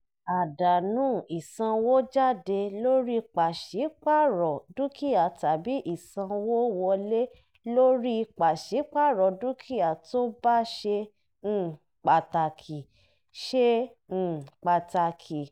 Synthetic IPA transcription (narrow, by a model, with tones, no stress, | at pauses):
a˨da˨nũː˨˦˨i˨sã˧wo˦d͡ʒa˦˨de˧lo˦ɾi˦˧k͡pa˨ʃi˨˦k͡pa˦˨ɾɔ˨du˦ki˦a˨ta˨bi˨˦ʔi˨sã˧wo˦wɔ˧le˦ | lo˦ɾi˦˧k͡pa˨ʃi˨˦k͡pa˦˨ɾɔ˨du˦kʰi˦a˨to˦ba˦ʃe˧ | ñ̩˦˧ | k͡pa˨ta˨kʰi˨ | ʃẽ˦˨ | k͡pa˨ta˨kʰi˨